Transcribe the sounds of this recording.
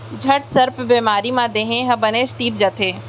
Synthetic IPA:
d͡ʒʱɐʈsɐɾpbeːmaːɾimãd̪eːɦẽɦɐ̃bɐneːʃt̪iːp̚d͡ʒɐt̪ʰeː

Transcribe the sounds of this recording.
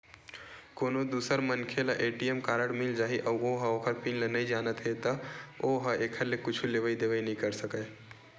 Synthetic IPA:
koːnod̪uːsəɾmənkʰelaʔeːʈiemkaːɾəɽmɪld͡ʒaːɦiʔɐboɦaoːkəɾpinlenəid͡ʒaːnət̪ɦet̪ɐoɦaʔeːkʰəɾlekʊt͡ʃʰuleʋəid̪eːʋəinəɦĩkəɾsəkə

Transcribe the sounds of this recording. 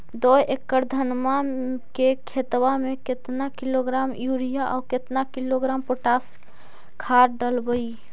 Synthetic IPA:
d̪ojʔekːəɾd̪ʱənmakekʰet̪wameket̪nakiloɡɾamjuɾijaʔɔ̰ket̪nakiloɡɾampoʈas | kʰaɾɖəlbəi

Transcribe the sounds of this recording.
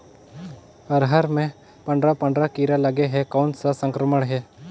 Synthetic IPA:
əɾɦaɾmẽ | pə̃ɳɖɾapə̃ɳɖɾakiːɾalɐɡeɦɛkonsəsə̃ŋkɾəməɽ̃ɦɛː

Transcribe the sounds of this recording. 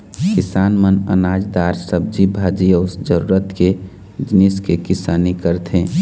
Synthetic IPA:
kɪsaːnmənə̰naːd͡ʒd̪aːɾsəb̚d͡ʒibʱaːd͡ʒiəsd͡ʒəɾuɾət̪ke | d͡ʒniskekɪsaːnikəɾt̪ʰɦẽː

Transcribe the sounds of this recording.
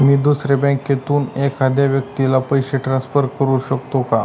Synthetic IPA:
miːd̪usɾebɛ̃ŋkjet̪uːnekad̪ʱjaʋjək̚t̪ilapəjɕeʈɾãnsfəɾkəɾuɕəkt̪oka

